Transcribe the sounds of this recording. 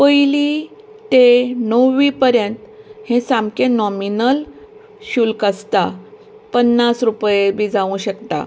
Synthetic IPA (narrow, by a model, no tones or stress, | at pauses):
pəjli | t̪enəwːipəɾjənt̪hẽsamkẽnɔminəl | ɕuːlkəst̪a | pənːasɾupjebid͡zaʋũɕəkt̪a̰